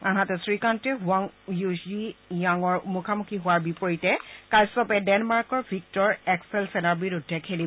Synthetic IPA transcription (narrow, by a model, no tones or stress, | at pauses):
aɦatɛsɹikantɹiɦwaŋjuzijaŋɔɹmukʰamukʰiɦʊwaɹbipɔɹitɛkajsɔpɛdɛnmaɹkɔɹbʱik̚tɔɹɛksɛlsɛnaɹbiɹudʱːɛkʰeli